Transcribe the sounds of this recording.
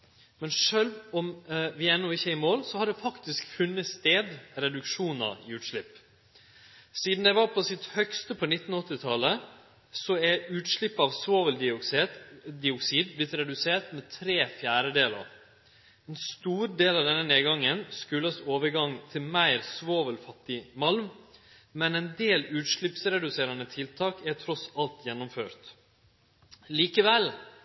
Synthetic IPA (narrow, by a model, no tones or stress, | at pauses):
mɛnʂøːlʋɔmʋɪɛnːɔɪçːəɪmoːlsɔhɑɖɛfɑkt̪ɪskfʉnːət̪st̪eːd̪ɾɛd̪ʉkʂuːnɑ̰ɪ̰ʉːt̪ʂlɪpː | siːd̪n̩d̪ɛɪʋɑpʰɔsɪt̪hœkst̪əpʰɔnɪt̪ːn̩ɔt̪ːɪt̪ʰɑlə | sɔæʉːt̪ʂɭɪpːɑʋsoːʋəld̪ɪʊ | d̪ɪʊksiːd̪̚blɪt̪ɾɛd̪ʉseːʈ̪mɛt̪ʰɾeːfjæːɾəd̪eːlə̰ɾ | ɛnst̪uːɾd̪eːlɑʋd̪ɛnːəneːɡɑŋːənskʉləsoːʋəɾɡɑŋt̪ʰɪlmæɪɾsʋoːʋəlfɑt̪ːɪmɑlm | mɛnɛɪnd̪eːlʉːt̪ʂɭɪpsɾɛd̪ʉseːɾɑnət̪ʰɪlt̪ʰɑːkæt̪ʰɾɔsɑlt̪jɛnːɔmføːɾt̪ | liːkəʋɛl